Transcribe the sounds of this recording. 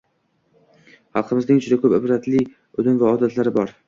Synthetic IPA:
χɑlˠqʰɨmɪznɪŋt͡ʃʰʊd̪akʰɵpɪbɾat̪lɪ | od̪ɪnvaɒd̪at̪ʰlaɾɪbɒɾ

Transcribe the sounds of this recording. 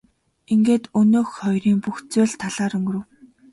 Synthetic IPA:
iŋɡeːt̪ɵnoːxχɔjriːŋpuxt͡seːɮt̪ʰaɮaːɾɵŋɡ̆ɾɵ̆w

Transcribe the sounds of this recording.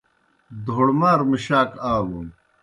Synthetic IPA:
d̪ʱoɽmaːɾmiɕaːkaːluːn

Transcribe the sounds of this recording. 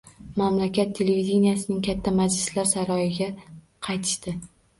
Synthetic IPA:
mamlakʲat̪ʰːe̞levid̪ʲenijasɪnɪŋkʲʰat̪ʰːamad͡ʒlɪslaɾsaɾɒjɪɡʲa | qʰɑjt̪ʰɪ̥ʃt̪ɪ

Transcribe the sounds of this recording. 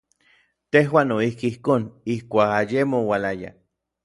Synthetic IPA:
t̪eɦwaːnoihkiihkoːnihkʷaːkajemowalaja̰

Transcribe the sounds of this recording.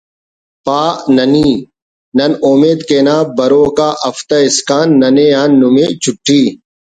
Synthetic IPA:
paːʔnɐniː | nɐnomeːd̪keːnaːbɐɾoːkaːʔɐft̪ɐɪskaːnːɐnejaːnːumet͡ɕʰʊʈʰːiː

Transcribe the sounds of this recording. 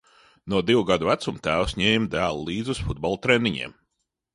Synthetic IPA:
nuɔd̪iwuɡad̪uæt̪sumt̪æːwsɲɛːjimd̪æːlˠulˠiːd̪zusfud̪̚bɔlˠt̪ɾɛnːiɲḭɛm

